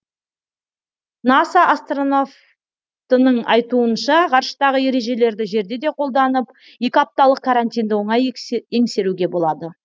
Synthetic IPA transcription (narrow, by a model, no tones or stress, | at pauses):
nasaʔːst̪ronof | t̪ənəɴɑjt̪uənʃɑqʰɑɾʃə̥t̪ɑʁəje̞ɾe̞ʒe̞le̞ɾd̪ɪʒe̞ɾd̪e̞d̪e̞qʰo̞lˠd̪ɑnəp | je̞kʲɪɑp̚t̪ɑlˠəq̚kʰːaɾanʲt̪ʲijnd̪ɪwo̞ɴɑje̞ŋse̞ɾuɡʲe̞bo̞lˠɑd̪ə